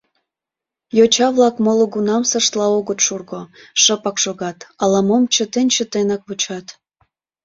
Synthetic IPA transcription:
jot͡ɕɑβlɑkmoloɡunɑmsəʃt̪lɑoɣət̪ʃurɣoʃəpɑkʃoɣɑt̪ɑlɑmomt͡ɕət̪enʲt͡ɕət̪enɑk̚βot͡ɕɑt̪

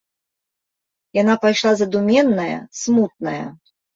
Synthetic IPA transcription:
janapajʂlˠazɐd̪umʲɛnːɐjɐ̰smut̪̚nɐjɐ̰

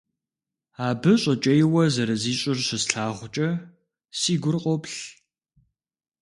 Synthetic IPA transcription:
aːbɨɕʼɐt͡ʃʼɐjɪwɐzɐɾɐziːɕʼɪrɕɪsɬaːʁʷt͡ʃʼɐ | siːɡʷʊrqʷʼɔpɬ

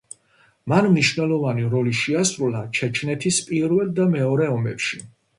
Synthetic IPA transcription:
manmniʃvnɛlˠɔvaniɾɔliʃiasɾulat͡ʃʰɛt͡ʃʰnɛt̪ʰispʼiɾvɛlˠd̪amɛɔɾɛɔmɛpʃi

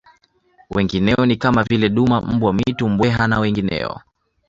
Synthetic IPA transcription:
wʔɛŋɡinɛɔnikamavilɛɗumam̩bwamitum̩bwɛɦanawɛŋɡinɛ̰ɔ̰

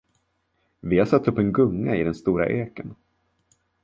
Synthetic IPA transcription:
vɪhaɾsat̪ːɵpːɛnɡɵŋːaɪd̪ɛnst̪uːɾa̰ʔeːkən

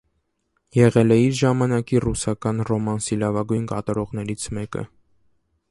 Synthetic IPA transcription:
jɛʁɛlɛiɾʒɑmɑnɑkirusɑkɑnrɔmɑnsilɑvɑɡujnkɑ̰t̪ɑɾɔʁnɛɾit͡sʰmɛkə̰

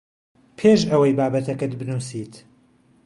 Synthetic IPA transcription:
pʰeʃɐwɐjbaːbɐt̪ʰɐkɨt̪̚bɨnusiːt̪

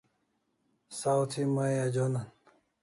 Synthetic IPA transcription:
sawt̪ʰimajad͡ʑonan

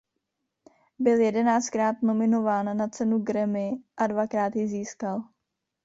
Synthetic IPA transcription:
bɪljɛdɛnaːt͡st̪kɾaːt̪no̞mɪno̞vaːnːat͡sɛnuɡɾɛmɪʔadvakɾaːt̪jɪziːskal

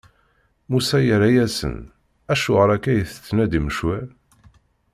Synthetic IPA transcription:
musæjəɾæjæsə̰n | æʃʊʁəɾˤækːæjəθə̥t͡sːnæd̪iməʃwæl

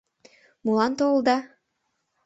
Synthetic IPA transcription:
mulɑnt̪old̪ɑ

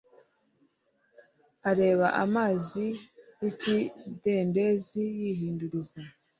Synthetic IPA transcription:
aɾe̞ːβaʔamaːzijicide̞nde̞zijiːɦiːnduɾiza

